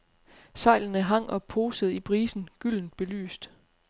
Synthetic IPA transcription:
sɑ̈ɪ̰lnəɦɑ̈ŋ̰ʔɒ̽pʰo̝ːsəð̩ˠipʰʁiːsn̩ɡ̥yl̰n̩d̥̚b̥e̝ly̰ːsd̥

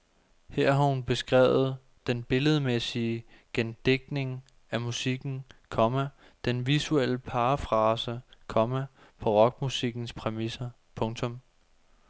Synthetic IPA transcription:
heɐ̰ɦɑ̈hunb̥e̝sɡ̥ʁɛ̰ːʊð̞̩ˠ | d̥enb̥e̝ləð̞̩ˠmesiəɡ̥end̥eɡ̥̚ne̝ŋ | æmusiɡ̥n̩kʰɒ̽mæ | d̥enʋisuel̰əpʰɑ̈ːfʁɑ̈ːsəkʰɒ̽mæ | pʰɒ̽ʁɒ̽ɡ̥̚musiɡ̥n̩spʰʁɛmisɐ | pʰɔ̽ŋt͡sʰɔ̽m

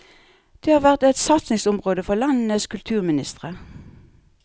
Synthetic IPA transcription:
d̪̥eːhɑːʁʋæʁt̪ɛt̪sɑt̪snɪŋsʊmʁoːd̪əfɔʁlɑnnəskʰʉlt̪ʰʉːʁmɪnɪst̪ʁə

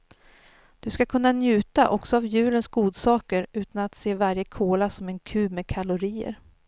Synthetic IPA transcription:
d̪̥ɵskakʰɵnːanjʉ̟ːt̪aʔɔksɔavjʉ̟ːlənsɡuːd̪sɑːkəɾʉ̟ːt̪anat̪seːvaɾjəkʰoːlasɔmɛnkʰʉ̟ːmeːkʰalʊɾiːə̰ɾ

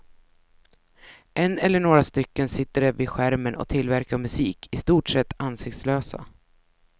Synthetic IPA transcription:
ʔɛnːɛlːəɳoːɡɾast̪ʏkːənsɪt̪ːəɖɛvɪɧæɾmənʔɔ̰t̪ʰɪlvæɾkaɾmɵsiːkʰɪst̪uːʈʂɛt̪ːansɪk̚t̪sløːsa̰

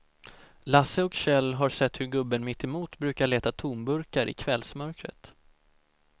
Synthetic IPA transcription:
lasəɔkɕɛlːɦaɾʂɛt̪ːhɵɾɡɵbːənmɪt̪ʰːɛmuːt̪bɾʉ̟ːkaɭeːt̪at̪ʰuːnbɵɾkaɾʔɪ̰kʰvɛlsmœɾkɾə̰t̪

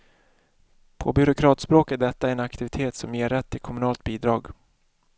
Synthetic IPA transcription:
pʰɔ̰bʏɾʊkʰɾɑːt̪spɾoːkət̪̚d̪ɛt̪ːaɛɾɛnakt̪ɪvɪt̪ʰeːt̪sɔmjeːɾɛt̪ʰːɪlkʰɔmɵnɑːlt̪̚biːd̪ɾɑːɡ

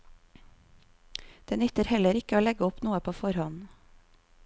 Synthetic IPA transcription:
d̪̥ɛːnʏt̪əɾhɛləɾɪkəoːlɛɡəʊpnuːəpʰoːfɔɾhɔn

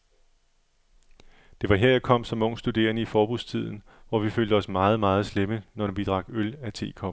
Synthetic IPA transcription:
d̥e̝ʋɑ̈ɦeɐ̰jɑ̈kʰɒ̽m̰sɒ̽mɔ̽ŋ̰̥sd̥ud̥e̝̰ːɐŋəifɒːb̥ust͡sʰið̞̰ˠn̩ | ʋɒʋiføːld̥əɒ̽smɑ̈ːð̞̩ˠmɑ̈ːð̞̩ˠslemənɒdʋid̥ʁɑ̈ɡ̥ølæt͡sʰe̝̰ːkʰɒ̽b̥

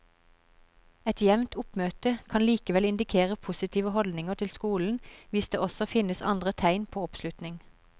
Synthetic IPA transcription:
ɛt̪jɛʋnt̪ʊpmøːt̪əkʰɑnliːkəʋɛlɪnd̪ɪkʰeːʁəpʰʊsɪt̪ʰiːʋəhɔld̪nɪŋəʁt̪ʰɪlskuːln̩ʋɪsd̪ḛːʔɔsɔfɪnəsɑ̰nd̪ʁət̪ʰæɪnpʰoːɔpslʉt̪nɪŋ

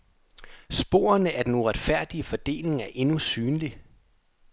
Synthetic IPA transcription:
sb̥o̝̰ːɐ̰ɐnəæɐd̥enuʁad̥fæɐ̰d̥iəfɒ̽d̥e̝̰ːle̝ŋæɐʔe̝nusyːnli

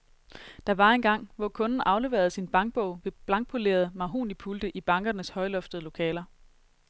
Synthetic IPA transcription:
d̥ɑ̈ʋɑ̈e̝nɡ̥ɑ̈ŋ̰ʋɒkʰɔ̽nn̩ɑ̈ʊle̝ʋe̝ːɐð̞̩ˠsinb̥ɑ̈ŋɡ̥̚b̥ɔʊ̰ʋe̝b̥lɑ̈ŋɡ̥̚pʰole̝̰ːɐð̞̩ˠmɑ̈ɦo̰ːnipʰuld̥əʔib̥ɑ̈ŋɡ̥ɐnəshɒ̽ɪlɔ̽fd̥əð̞̩ˠəlo̝kʰɛ̰ːlɐ

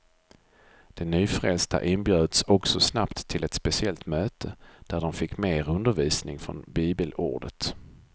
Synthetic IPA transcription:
d̪̥ɛnyːfɾɛ̰lst̪a̰ʔɪnbjøːd̪sɔksɔsnapt̪ʰːɪlɛt̪spɛsɪɛlt̪møːt̪ʰəd̪̥æɖɔmfɪkːmeːɾɵnd̪əɾviːsnɪŋfɾɔ̰nbiːbəlṵːɖət̪

